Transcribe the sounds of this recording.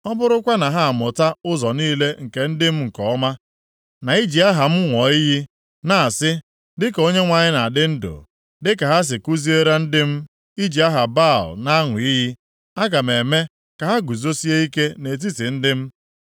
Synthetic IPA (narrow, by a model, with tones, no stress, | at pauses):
ɔ˦bʊ˦ɾʊ˦kʷa˦na˨ɦa˦a˨mʊ˨ta˦ʊ˦zɔ˨niː˦le˦ŋ̩˨ke˨n̩˦dɪ˦m̩˦ŋ̩˨kɔ˨˦ma˦ | na˨i˦d͡ʒi˨a˦ɦa˨m̩˦ŋʷɔ˨i˦ɦi˦ | na˨a˨sɪ˦ | dɪ˦ko˦ɲe˦ŋʷa˨ɲɪ˦na˨dɪ˦n̩˦do̰˨ | dɪ˦ka˨ɦa˦s̬ɪ˨ku˦zi˦e˦ɾa˦n̩˦dɪ˦m̩˦ | i˦d͡ʒi˨a˦ɦa˨ba˦˨lna˦ŋʷʊ˨i˦ɦi˦ | a˦ɡa˨m̩e˨me˦ | ka˨ɦa˦ɡu˨zo˦si˦e˦i˦ke˦ne˨t̬i˦ti˨n̩˦dɪ˦m̩˦